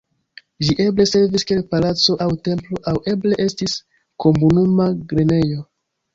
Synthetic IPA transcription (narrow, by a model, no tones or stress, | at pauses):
ʒiʔe̞ble̞se̞ɾviskʲielpalat͡so̞ʔawte̞mplo̞ʔawʔe̞ble̞ʔe̞stis | ko̞munumaɡɾe̞ne̞jo̞